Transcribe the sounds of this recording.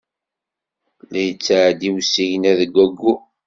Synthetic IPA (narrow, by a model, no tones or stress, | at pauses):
læjət͡sːaʕd̪iwsːijənæðəɡʷːæɡːu